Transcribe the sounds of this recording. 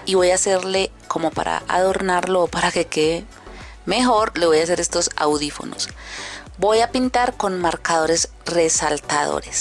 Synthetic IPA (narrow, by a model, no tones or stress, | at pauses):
iβo̞jaːse̞ɾle̞ | ko̞mo̞pa̰ɾa̰ʔa̰ðo̞ɾnaɾlo̞ːpaɾake̞ke | me̞xo̞ɾle̞βo̞jas̬e̞ɾe̞st̪o̞sa̰wðifo̞̰no̞̰s | bo̞japint̪aɾko̞nmaɾkaðo̞ɾe̞s | re̞salt̪aðo̞̰ɾes